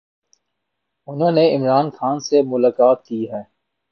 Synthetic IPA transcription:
ʊnɦõːneɪmɾaːnxaːnsemʊlaːkaːt̪̚kiːɦɛː

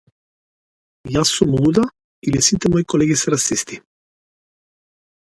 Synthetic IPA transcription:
jasumud̪a | ilesint̪emojkoleɣeseɾasist̪i

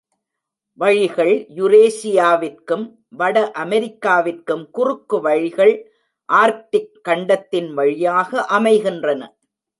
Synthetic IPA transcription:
ʋɐɻɪɣɐɭjʊɾeːsɪjaːʋɪrkɯm | ʋɐɽɐʔɐmɛɾɪkːaːʋɪrkɯmkʊrɯkːɯʋɐɻɪɣɐɭ | ʔaːɾʈɪkːɐɳɖɐt̪ːɪnʋɐɻɪjaːɣɐʔɐmɐɪɣɪndrɐnɐ

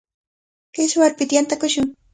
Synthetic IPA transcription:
kɪʃwaɾpɪt̪jant̪akʊʃʊŋ

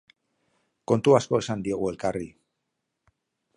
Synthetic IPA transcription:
ko̞nt̪uasko̞e̞sand̪ie̞ɣ̞ue̞lkari

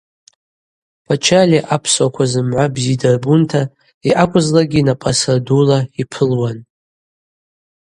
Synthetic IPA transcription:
pʰat͡ʃʰaliʔapʰswakʷʰazɨmʕʷabzidarbuntʰa | iʔakʷʼʊzlaɡʲinapʼasadulaipʰɨlwan

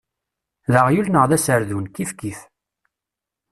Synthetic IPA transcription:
ðəʁjulnəʁðæsəɾðunkifkiθ

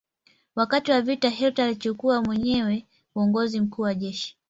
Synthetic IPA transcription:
wakatiwavitaɦɛltaːlit͡ʃukuamwɛɲɛwɛ | uɔŋɡɔzim̩kuːwaʄɛʃi̥

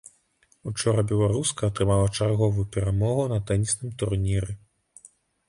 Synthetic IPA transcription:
ut͡ʂɔɾɐbʲɛlˠaɾuskɐːt̪ɾɨmalˠɐt͡ʂarɣɔvujupʲɛɾamɔɣunɐt̪ɛnʲisnɨmt̪urnʲiɾɨ

